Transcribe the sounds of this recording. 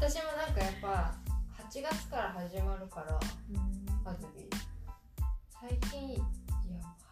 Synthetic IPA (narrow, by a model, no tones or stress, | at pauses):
t̪aɕimo̞nãŋkajapːahat͡ɕiɡat͡sɨ̥kaɾaɦaʑimaɾɯ̟kaɾã | pazɯɡʲḭ | saikʲĩɰ̃ja